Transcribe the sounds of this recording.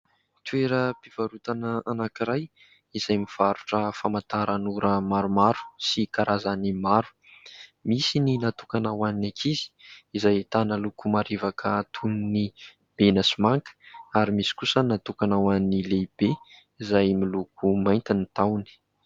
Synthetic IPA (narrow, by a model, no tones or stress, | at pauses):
t̪ueɾəpiv̥aɾut̪anəanakiɾaj | iz̥ajmiv̥aɾuʈ͡ʂəfamant̪aɾanuɾəmaɾumaɾu̥sikaɾazanimaɾu̥ | misininat̪ukanawaninakʰizi̥izajet̪anəlukumaɾivakʰət̪ʰunini | b̥enasimaŋkə̥aɾimisi̥kusənat̪ukanawannileb̥e | izajmilukʰumajnt̪init̪awni̥